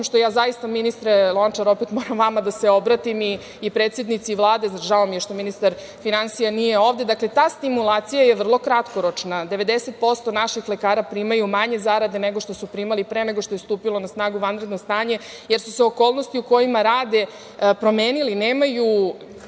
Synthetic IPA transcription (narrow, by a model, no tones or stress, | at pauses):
imʃt̪o̞jaːzajist̪aminist̪ɾelˠo̞nt͡ʃaɾo̞pet̪mo̞ɾamʋamad̪ase̞o̞bɾat̪imiː | pɾet̪sje̞d̪nit̪siʋlˠaːd̪e̞zaʒaomjeɾʃt̪ominist̪aɾ | finansijanijeo̞ːʋd̪e̞d̪akle̞t̪aːst̪imulˠaːt̪sijaje̞ʋr̩lˠo̞kɾat̪ko̞ɾot͡ʃnad̪e̞ʋe̞d̪ese̞t̪̚po̞st̪o̞naʃixlekaːɾapɾimajumaɲe̞zaɾad̪eneɡo̞ʃt̪o̞supɾimalipɾeneɡoʃt̪o̞je̞st̪uːpilˠo̞nasnaːɡuʋanɾed̪nost̪aːɲe̞ | jeɾsuseo̞koːlˠnost̪iuko̞jimaɾaːd̪e̞ | pɾo̞meːnilineːmaju